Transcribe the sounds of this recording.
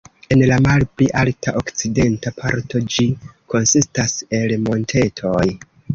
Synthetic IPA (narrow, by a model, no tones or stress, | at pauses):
e̞nlamalpliʔaltʰaʔokt͡side̞ntapʰaɾto̞d͡ʒikʰo̞nsistase̞lmo̞ntʰe̞tʰo̞j